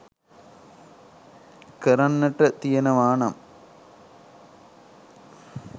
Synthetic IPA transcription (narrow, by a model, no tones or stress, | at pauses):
keɾɐnːɐʈːɐt̪ijɐnɐʋaːɳɐm